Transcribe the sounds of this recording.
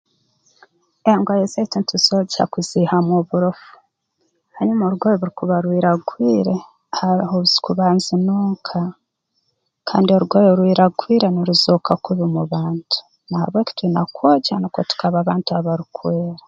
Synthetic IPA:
eŋɡajezaitenitusozha̰kuzihamoβuɾofu̥ | haɲumoːɾuɡojoβuɾikuβaɾwiːɾaɡwiːɾe | haɾihoβuzi̥kuβaːnzinuːŋkʰa | kʰaːndio̞ɾuɡoːjoɾwiːɾaɡwiːɾenoɾuzoːkakuβimuβaːntʰu̥ | naha̰βwe̞ki̥twinakwoːɟanokotu̥kaβaːβaːntuaβaɾukweːɾa

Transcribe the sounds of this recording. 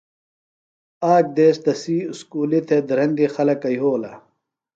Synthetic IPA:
aːk̚d̪eːst̪ɐsiːskuːlit̪ʰed̪ɐɾɐnd̪ixɐlɐkɐjɦoːlɐ

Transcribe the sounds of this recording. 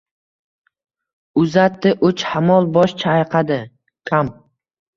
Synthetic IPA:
ʊzat̪ːɪʔʊt͡ʃhamɒlˠbɒʃt͡ʃʰaːjqʰɑd̪ɪ | kʲʰam

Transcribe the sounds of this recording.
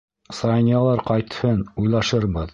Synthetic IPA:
sɑjnʲɑlˠɑɾqɑjt̪hɤnujlˠɑʃɤɾbɤð

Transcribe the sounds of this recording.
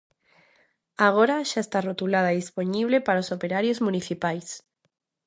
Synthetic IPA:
aɣoɾaʃaest̪arot̪ulað̞aðisponiβ̞lepaɾaosopeɾaɾjozmũniθipajs

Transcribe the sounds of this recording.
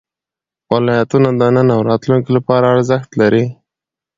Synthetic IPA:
wɪlɑjat̪unad̪ənənawɾɑt̪luŋkilapɑɾaːɽzaxt̪laɾi

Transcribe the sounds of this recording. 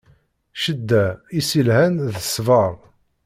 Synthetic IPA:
ʃəd̪ːæisilhænðəsvəɾˤ

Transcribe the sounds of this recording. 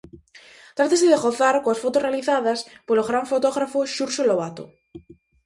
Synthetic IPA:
t̪ɾat̪aseðeɣoθaɾkoasfot̪osrealiθaðaspoloɣɾaɱfot̪oɣɾafoʃuɾʃoloβat̪o̰

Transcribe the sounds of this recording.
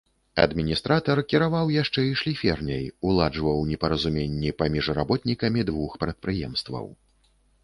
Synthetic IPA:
ɐ̰d̪mʲinʲist̪ɾat̪ɐrkʲiɾavawjaʂt͡ʂɛiʂlʲifʲɛrnʲɐjulˠad͡ʐvɐwnʲɛpɐɾɐzumʲenʲːipamʲiʐra̰bɔt̪nʲikɐmʲid̪vuxpɾɛt̪̚pɾɨjɛ̰mst̪vɐ̰w

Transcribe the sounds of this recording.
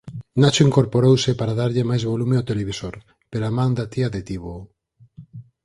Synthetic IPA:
nat͡ʃoiŋkoɾpoɾowsepaɾaðaɾʎɪmajzβolumeawt̪eleβisoɾ | peɾamãŋd̪at̪iaðet̪iβo

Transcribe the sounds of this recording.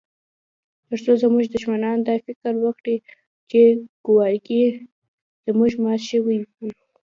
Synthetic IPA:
t̪əɾsozəmuʒd̪ʊʃmanɑnd̪ɑfɪkɾwəkɽi | t͡ʃeɡ̥ʊwɑjɡi | z̥əmuʒmɑt̪ʃəwijw

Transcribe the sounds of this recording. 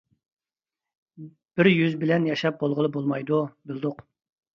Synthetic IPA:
b̥ɪɾjyzbɪlɛnjɑʃɑp̚bolˠʁəlˠəbolˠmɑjd̪ubɪld̪ʊq

